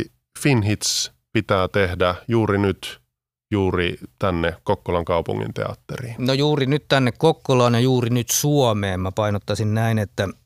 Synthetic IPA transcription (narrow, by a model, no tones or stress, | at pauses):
finɦit̪s | pit̪æːt̪ehdæjuːrinyt̪ | juːrit̪ænːekkokːolɑŋkɑupṵŋːḭnt̪ḛɑ̰t̪ːeriːnojuːrinyt̪t̪ænːekkokːolɑːnjɑjuːrinyt̪suɔmeːmmæpɑinot̪ːɑsinnæinet̪ːæ